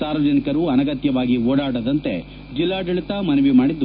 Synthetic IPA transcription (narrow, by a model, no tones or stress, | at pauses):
saːɾʋɐd͡ʒɐnikɐɾuɐnɐɡɐt̪jɐʋaːɡioːɽaːɽɐd̪ɐnt̪e̞ | d͡ʒilːaːɖɐɭit̪ɐmɐnɐʋimaːɽid̪ːu